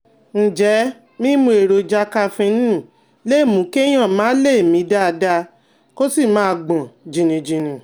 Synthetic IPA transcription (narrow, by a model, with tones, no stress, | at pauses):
n̩˨d͡ʒɛ˨˦ | mĩ˦mũ˧˦e˨ɾo˧d͡ʒa˧˦ka˧fĩ˧˦nĩ˦˨ | le˦˨mũ˨˦ke˦j̃ã˦˨mãː˦le˦˨e˨mĩ˨˧˦da˦˧da˧ | ko˦si˦˨mã˦˧ɡ͡bã˨d͡ʒĩ˧nĩ˧d͡ʒĩ˨nĩ˨